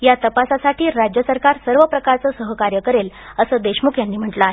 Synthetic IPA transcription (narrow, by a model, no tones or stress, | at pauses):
jat̪əpasasaʈʰiːɾad͡ʑjəsəɾkaɾsəɾʋəpɾəkaɾt͡səːsəɦəkaɾjəkəɾeləsəːd̪eɕmukʰjanːiːm̤əɳʈlaaɦe